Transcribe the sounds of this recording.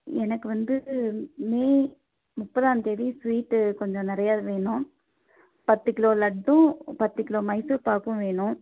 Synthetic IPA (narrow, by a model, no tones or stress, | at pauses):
ɛnɐkːɯʋɐnd̪ɯmeː | mʊpːɐðaːnt̪ɛːʋisʋiːʈːkɔɲd͡ʒɔ̃nɪɾɐjaːðɯʋeːɳʊ̃ | pɐt̪ːɯkɪloːlɐɖːʊ̃pɐt̪ːɯkɪloːmɐɪsɯpaːɾkʊ̃ʋeːɳʊ̃